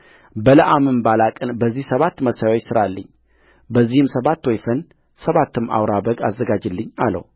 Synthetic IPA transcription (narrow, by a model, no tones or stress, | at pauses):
bələʔamɨmbalakʼənbəzːihsəβat̪ːməsajawot͡ʃːsɨɾalːəɲː | bəzːihɨmsəβat̪ːwɔjfən | səβat̪ʰːɨma̰wɾabəɡazːəɡad͡ʒɨlːɨɲːa̰lə̰w